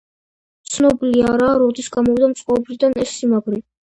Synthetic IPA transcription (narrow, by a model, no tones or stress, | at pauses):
t̪sʰnɔbiliaɾaːɾɔd̪isɡamɔvid̪amt̪sʼqʼɔbɾid̪anɛsːimaɡɾi